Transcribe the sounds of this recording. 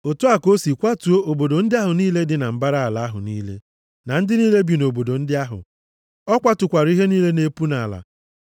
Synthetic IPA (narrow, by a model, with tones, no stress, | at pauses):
o˨tu˦a˨ko˦si˨kʷa˦tu˨o˦o˨bo˨do˨n̩˦dɪ˦a˦ɦʊ˨niː˦le˦dɪ˨na˨m̩˨ba˦ɾa˦a˨la˨˦a˦ɦʊ̰˨niː˦lḛ˦ | na˨n̩˦dɪ˦ni˦le˦bi˨no˨bo˨do˨n̩˦dɪ˦a˦ɦʊ̰˨ | ɔ˦kʷa˦tʊ˨kʷa˨ɾi˦ɦe˦niː˦le˦ne˦pu˦na˨la̰˨